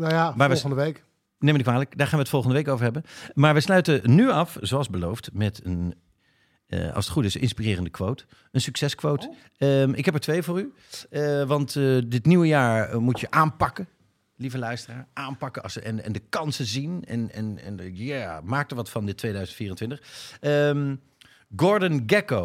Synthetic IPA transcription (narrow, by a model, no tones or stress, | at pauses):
najamaɹʋlχəndəʋejk | nejmənikʋaːləkdaːɹχaːnʋətfɔlˠχəndəʋejkowvəɹɦɛbənmaːɹʋəslœɥtənyɑfzowɑlˠzbəlowftmɛtən | ɑ̰lsətχutɪsnʔɪnspirɪːrəndəkʋowt | ənsyksɛskʋowt | əɪkɦɛpəɹtʋejəvʊːry | ʋɑntdɪtniwəjaːɹmutəʔaːnpɑkə | livəlœɥstəraːɹʔaːmpɑkəɑsəɛnɛ̰ndəkɑnsəzinɛ̰nɛ̰nɛnjamaːk̚təɹʋɑtfɑndɪtːʋejdœɥzəntfiːrəntʋɪntəχəm | ɡɔɹdənɡɛko